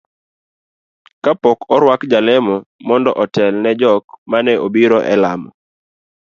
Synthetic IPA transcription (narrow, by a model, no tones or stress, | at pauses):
kapɔkɔɾwakd͡ʒalɛmɔmɔndɔʔɔtɛlnɛd͡ʒɔkmanɛʔobiɾɔʔɛlamɔ